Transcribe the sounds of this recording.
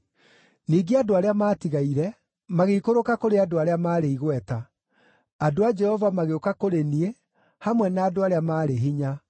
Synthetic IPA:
niːɡeadoaɾeamaːtiɣaiɾɛ | maɣeikoɾokakoɾeadoaɾeamaːɾeiɣwɛta | adoad͡ʒɛhɔvamaɣeokakoɾenie | hamwɛnaːdoaɾeamaːɾeɦiɲa

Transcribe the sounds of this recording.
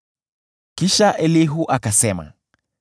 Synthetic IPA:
kiʃaʔɛliɦuʔakasɛma̰

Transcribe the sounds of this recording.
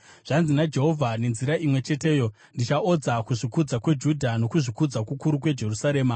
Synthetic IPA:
ʐ̥anzinad͡ʒe̞ɦo̞vʱane̞nziɾaʔimwe̞t͡ʃe̞te̞ːjo̞ | ndit͡ʃaʔo̞d͡zakuʐikud͡zakwe̞d͡ʒudʱano̞kuʐikud͡zakukuɾukwe̞d͡ʒe̞rusaɾeːma

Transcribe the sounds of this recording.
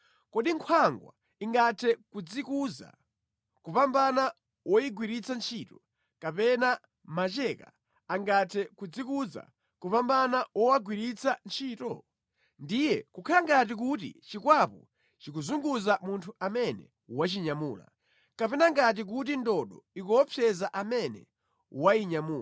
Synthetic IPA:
kɔɗiŋkʰwaŋɡwa̰ | iŋɡatʰɛkud͡zikuza̰ | kupambana | wɔjiɡwiɾit͡sant͡ʃʰitɔ | kapɛna | mat͡ʃɛka̰ | aŋɡatʰɛkud͡zikuza̰ | kupambanawɔwaɡwiɾit͡sʰant͡ʃʰiːtɔ | ndijɛkukʰalaŋɡat̬ik̬utḭt͡ʃikwapɔ | t͡ʃikuzuŋɡuzamuntʰuamɛnɛ̰ | wat͡ʃiɲamuːla̰ | kapɛnaŋɡat̬ik̬ut̬indɔɗɔikɔːpʰjɛzaʔamɛnɛ̰ | waiɲamuː

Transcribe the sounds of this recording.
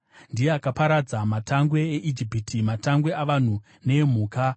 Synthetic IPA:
ndijeakapaɾad͡zamatʰaŋɡwe̞ːʔid͡ʒipitʰimataŋɡwe̞aʋan̤u | ne̞m̤uːka

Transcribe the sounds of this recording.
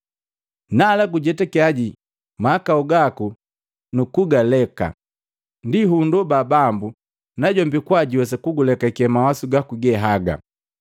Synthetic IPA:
nalaɡuɟɛtakiaɟi | maakauɡaku | nukuɡalɛka̰ | ndiɦundɔbabambu | naɟɔmbikwaɟiwɛs̬akuɡulɛkaikɛmawasuɡakuɡɛɦaɡa̰

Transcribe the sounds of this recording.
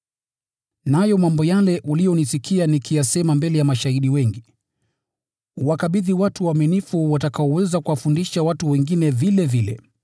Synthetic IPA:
najɔmambɔjalɛʔulijɔnisikʰianikʰijasɛmambɛlɛjamaʃaiɗiwɛŋɡi | uwakaɓiðiwatuwamɛnifuwatakaɔwɛzakuwafundiʃawatuwɛŋɡinɛvilɛvilɛ̰

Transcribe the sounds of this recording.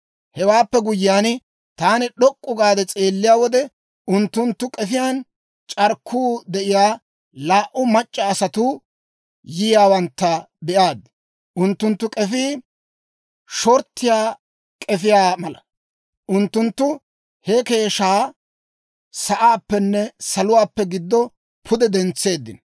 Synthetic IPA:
hɛwaːpːɛɡʊjjaːn | t̪aːnɪɗɔkʼːʊɡaːd̪ɛt͡sʼe̞ːlːɪjaːwɔd̪ɛ | ʊnt̪ːʊnt̪ːʊkʼɛfɪjaːn | t͡ʃʼɐɾkʰːuːd̪ɛʔɪjaː | laːʔʊmɐt͡ʃʼːɐːsɐt̪ʊ | jɪjaːwɐnt̪ːɐ | bɛʔaːd̪ | ʔʊnt̪ːʊnt̪ːʊkʼɛfiː | ʃɔɾt̪ːɪjaː | kʼɛfɪjaːmɐlɐ | ʔʊnt̪ːʊnt̪ːʊ | hɛke̞ːʃaː | sɐʔaːpːɛnːɛsɐlʊwaːpːɛɡɪd̪ːɔ | pʰʊd̪ɛd̪ɛnt͡sːe̞ːd̪ːɪ̰n

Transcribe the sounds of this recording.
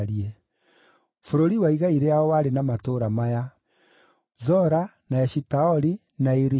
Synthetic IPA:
ɾie | foɾoɾiwaiɣaiɾeaɔwaɾenamatoɾamaja | zɔɾanaɛʃitaɔɾi | naiɾi

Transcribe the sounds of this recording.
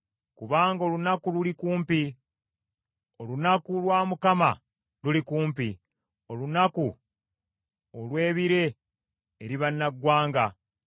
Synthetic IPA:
kuβaːŋɡao̞ːlunakululikuːmpi | o̞lunakulwaːmukama̰ | lulikuːmpi | o̞lunaku | olwe̞ːβiɾe̞ː | ɾiβanːaɡːwaːŋɡa

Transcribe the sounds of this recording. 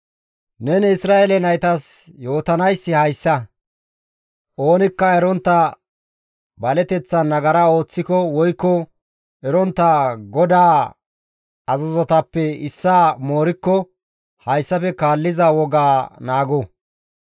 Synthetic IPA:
nɛnɪsɾaːʔelɛnɐjt̪ɐsjo̞ːt̪ɐnɐjsːɪhɐjsːɐ | ʔo̞ːnɪkːɐɛɾɔnt̪ːɐ | bɐlɛt̪ɛt͡sːɐnːɐɡɐɾɐo̞ːt͡sːɪkɔwɔjkːɔ | ɛɾɔnt̪ːɐɡɔd̪aː | ɐzɐzɔt̪ɐpːɛɪsːaːmo̞ːɾɪkːɔ | hɐjsːɐfɛkaːlːɪzɐwɔɡaːnaːɡɔ

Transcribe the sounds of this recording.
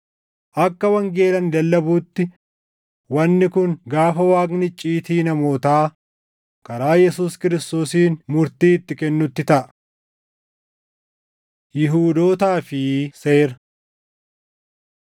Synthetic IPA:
ʔɐkːɐwɐŋɡe̞ːlɐnɪd̪ɐlːɐbuːt̪ːɪ | wɐnːɪkʊŋɡaːfɐwaːɡnɪt͡ʃʼːiːt̪iːnɐmo̞ːt̪aː | kɐɾaːjɛsuːskɪɾɪst̪o̞ːsiːnmʊɾt̪iːɪt̪ːɪkɛnːʊt̪ːɪt̪ɐʔɐ̥ | jɪɦuːd̪o̞ːt̪aːfɪseːɾɐ

